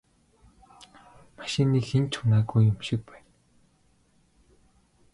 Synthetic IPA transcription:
maʃɪ̆niːxxent͡ɕʰxʊnaːɣujːʊmʃɪ̆k̚pæːn

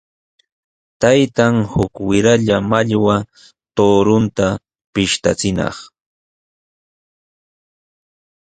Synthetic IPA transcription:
t̪ajt̪aŋhʊkwɪɾaʎamaʎwa | t̪oːɾʊnt̪a | pɪʃt̪a̰t͡sɪnɑ̰χ

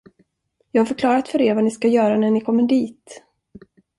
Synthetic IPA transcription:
jɑːɡhaɾfœɾkʰlɑːɾat̪fœɾeːɾvanɪskajœːɾanæɳɪkʰɔmːəɖiːt̪

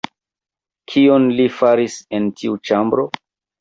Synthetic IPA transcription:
kʰionlifaɾisentʰiut͡ʃambɾo̞

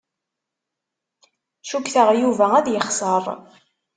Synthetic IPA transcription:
ʃukθəʁjuvææðjəχsˤərˤ

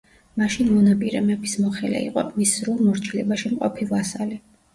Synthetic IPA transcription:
maʃinmɔnapʼiɾɛmɛbismɔχɛlɛ̰ḭqʼɔ̰misɾulˠmɔɾt͡ʃʰilɛbaʃimqʼɔ̰pʰivasali

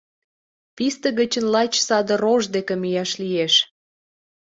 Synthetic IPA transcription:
pist̪ə̆ɣət͡ɕənlɑt͡ɕsɑd̪ə̆ɾoʒd̪ekemijɑʃlijeʃ

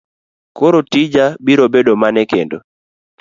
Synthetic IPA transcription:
koɾotid͡ʒabiɾobedomanɛkendo̰

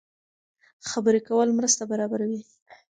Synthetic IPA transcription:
xabəɾekawəlmɾəst̪abaɾɑbaɾawi

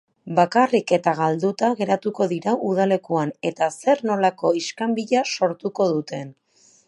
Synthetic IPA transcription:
bakarike̞t̪aɣald̪ut̪aɣe̞ɾat̪uko̞ðiɾaʔuð̞ale̞kuane̞t̪ase̞ɾno̞lako̞iskambiʎaso̞ɾt̪uko̞ðut̪e̞n

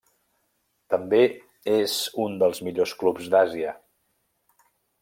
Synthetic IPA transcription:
t̪əmbe | ezund̪əlˠzmiʎosklupzd̪aziə

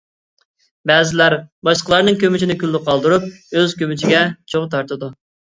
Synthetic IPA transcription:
bɛːzɪlæɾbɑʃlqəlˠɑɾnɨŋkʲʰømyt͡ʃʰinɪkʲylːɪqɑlˠd̪uɾup̚øzkʲømyt͡ʃʰiɡʲɛt͡ʃʰoʁt̪ʰɑɾt̪ɨd̪u

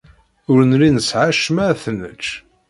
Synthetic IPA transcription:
ʊɾənlinəsʕaʃmæθnːə̰t͡ʃː

